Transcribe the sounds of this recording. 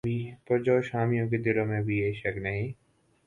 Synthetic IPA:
bʱipɐɾd͡ʒaːʃaːmijõk̬ed̪ɪlõmẽbʱieiʃɐknɐɦĩː

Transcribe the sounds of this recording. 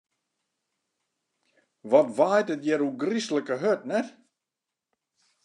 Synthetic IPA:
ʋɔtʋaːjtətjɛɾuɡrisləkəɦøtnɛ

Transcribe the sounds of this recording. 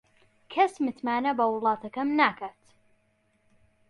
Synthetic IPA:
kʰɐsmɨt̪maːnɐbɐwʊlˠɑːt̪ʰɐkɐmnaːkʰaːt̪

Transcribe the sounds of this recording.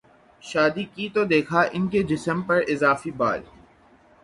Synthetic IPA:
ʃaːd̪ikiːt̪od̪eːkʰaʔɪnked͡ʒɪsəmpɐɾɪzaːfiba̰ːl

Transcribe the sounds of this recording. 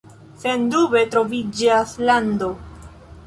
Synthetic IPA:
se̞ndube̞tɾo̞vid͡ʒaslando̞

